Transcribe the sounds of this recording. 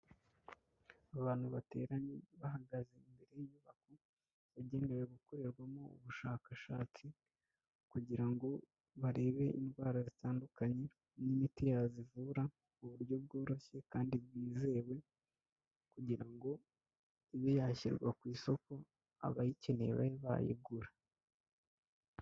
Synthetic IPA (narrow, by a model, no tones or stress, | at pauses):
aβaːn̥huβate̞̰ːɾaɲeβaɦaɡaze̞imbe̞ɾe̞jjuβako | βaɟe̞ːne̞we̞ɡuko̞ɾeɾɡwamo̞ṵβuʃaːkaʃaːt͡si | kuɟiɾaŋɡo̞ | βaɾe̞ːβe̞ʔinɡwaːɾazitaːndukaɲe̞ | nimitijazivuɾa | uβuɾjo̞b̚ɡo̞ːɾo̞çe̞kaːndibɡiːze̞we̞ | kuɟiɾaŋɡo̞ | ijo̞jaːçḭɾɡwa̰kwiːso̞ko̞ | a̰βajicenḛβa̰ɾeβa̰jḭɡuɾa